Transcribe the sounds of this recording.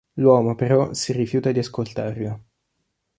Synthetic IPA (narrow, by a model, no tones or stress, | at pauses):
lwɔːmopeɾɔsirifjuːt̪ad̪iaskolt̪aːrlo